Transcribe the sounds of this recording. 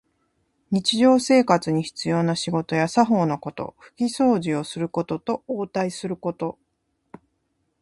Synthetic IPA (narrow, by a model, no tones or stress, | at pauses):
ɲ̟it͡ɕiʑo̞ːse̞ːkat͡sɨɲ̟içi̥t͡sɨjo̞ːnaɕiɡo̞t̪o̞jasaɦo̞ːno̞ko̞t̪o̞̰ɸɯ̟̥kʲiso̞ːʑio̞sɨɾɯ̟ko̞t̪o̞t̪o̞oːt̪aisɨɾɯ̟ko̞t̪o̞